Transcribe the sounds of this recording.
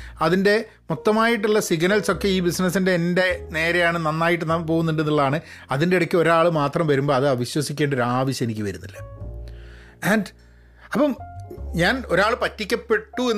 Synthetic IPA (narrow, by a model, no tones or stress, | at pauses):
ɐðinde̞ | mot̪ːɐmaːjiʈ̬ːuɭːɐsiɡnɐlso̞kːe̞iːbisnɐsinde̞ːnde̞ne̞ːɾe̞jaːɳɨnɐnːaːjiʈ̬ːɨnɐmpo̞ːɣunːuɳɖenːiɭːɐðaːɳɨ | ɐðindeiɽɐkʲːɨo̞ɾaːɭɨmaːt̪rɐmʋɐɾumbo̞ːɐðɨɐʋiɕwɐsikʲːeːɳɖoɾaːʋiɕɐnikʲːɨʋɐɾunːilːɐ | æːnɖ | ɐpːɐmɲaːno̞ɾaːɭɨpɐtːikʲːɐpːe̞ʈːue